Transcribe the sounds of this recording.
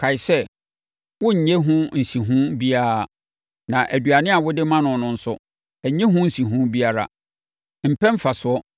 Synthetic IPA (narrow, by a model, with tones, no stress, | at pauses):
kʰa˨ɪ˨sɛ˦ | wʊ˦ɲ̩˨ɲe˦ɦʊ̃˦n̩˨si˨ɦũ˦bi˦a˦˨ | nã˨ʔæ˨dɥa˨nɪ̃˦a˨wʊ˦dɪ˦mã˦nʊ̃˨nʊ̃˨n̩˦sʊ˦ | ɛ˨ɲẽ˦ɦʊ̃˦n̩˨si˨ɦũ˦bi˦a˨ɾa̰˨ | m̩˨pʰɛ̃˦m̩˦fa˨sʊ˨˦ɔ˦